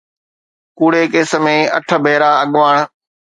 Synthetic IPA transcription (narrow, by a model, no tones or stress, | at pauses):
kuːɽeːkeːsə̆mẽːɐ̰ʈʰə̆bʱeːɾaɐɠʋaːɽ̃̆